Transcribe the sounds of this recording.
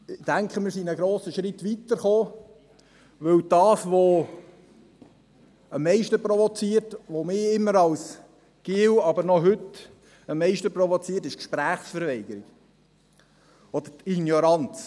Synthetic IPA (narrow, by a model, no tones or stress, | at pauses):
ɪd̥æŋkχəmɪːɾsinəɡɾoːsəʃɾɪt̪ʋit̪əɾχoː | ʋɵwd̥ɑːsʋo | əmːɛɪʃtəpɾɔʋɔt͡siːəɾtʋomɪːɪmːəɾɑws | ɡ̥ɪwɑbəɾnɔɦɵt̪ | əmːɛɪʃtəprɔvɔt͡siːɾtɪʃkʃpɾæːχsfəɾʋɛɪɡ̥əɾiɡ̥ | ɔd̥̪əɾinjɔɾɑnt͡s